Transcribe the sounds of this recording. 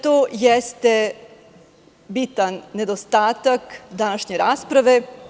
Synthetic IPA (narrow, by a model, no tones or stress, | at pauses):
t̪ojest̪e | bit̪anːe̞d̪ost̪aːt̪akd̪anaʃɲeɾaːspɾaʋe̞